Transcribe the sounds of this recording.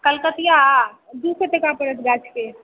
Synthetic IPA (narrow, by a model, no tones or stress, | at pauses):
kəlkət̪ijad̪useʈekapəɾət̪ʰɡat͡ʃʰke